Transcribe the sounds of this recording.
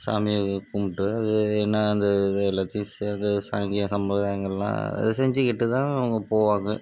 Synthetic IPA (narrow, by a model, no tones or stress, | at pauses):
sa̰ːmɪjɐkʊmʈːɯɐðɯɛnːɐːnd̪ɐɪlɐt̪ːɪsɐnd̪ɐsa̰ːŋɡɪjɐ̃sɐmʋɐðaːjɐŋɡɐɭɛlã̰ːɐ̰ðɯsɛɲd͡ʒɯkɪʈːɯt̪ãːɐʋɐŋɡɐpoːʋaːŋɡɯ